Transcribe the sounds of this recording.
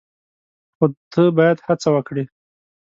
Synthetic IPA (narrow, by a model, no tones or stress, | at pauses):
xot̪ʰəbɑjad̪hat͡sawəkɽi